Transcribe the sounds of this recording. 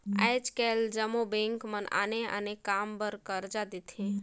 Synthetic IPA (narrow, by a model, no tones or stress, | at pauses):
a̰jt͡ʃkɛld͡ʒəmobẽŋkməna̰nea̰nekambəɾkəɾd͡ʒad̪it̪ʰẽ